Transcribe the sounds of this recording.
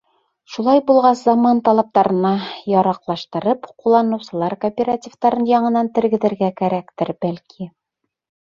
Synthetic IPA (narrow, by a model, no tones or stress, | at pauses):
ʃulˠɑjbulˠʁɑszɑmɑnt̪ɑlˠɑp̚t̪ɑɾɤ̆nɑjɒɾɑqlˠɑʃt̪ɤ̆ɾɤpqulˠːɑnɤ̆wsɤ̆lˠɑɾkopʲeɾatʲivt̪ɑɾɤnjɑɴɤ̆nɑnt̪ɘ̆ɾɡɘ̆ðɘ̆ɾɡækæɾækt̪ɘɾbælkʰi